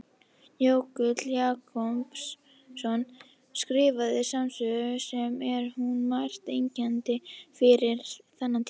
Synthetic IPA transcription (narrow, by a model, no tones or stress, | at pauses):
joːwkʏt̪ljaːkʰɔmpsː | ɔn | skɾɪːvaðɪsamsœɣʏsɛmɛɾ̥hunmajr̥t̪ejɲcɛnt̪ɪfɪɾɪɾθanːant̪ʰː